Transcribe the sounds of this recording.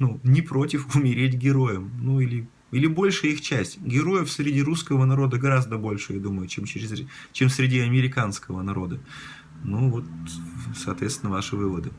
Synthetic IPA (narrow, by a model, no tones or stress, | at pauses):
nunʲɪpɾo̞tʲɪfʊmʲɪɾʲetʲɡʲɪɾo̞jəmnuilʲɪ | ilʲɪbo̞lʲʂɨjəixt͡ɕæsʲtʲɡʲɪɾo̞jəfsɾʲɪdʲiɾuskəvənɐɾo̞d̪əɡɐɾazd̪əbo̞lʲʂɨjad̪uməjʊt͡ɕemt͡ɕɪɾʲɪzt͡ɕemsɾʲɪdʲiɐmʲɪɾʲɪkanskəvənɐɾo̞d̪ə | novo̞t̪sɐːt̪vʲest̪ʲɪnːəvaʂɨvɨvəd̪ɨ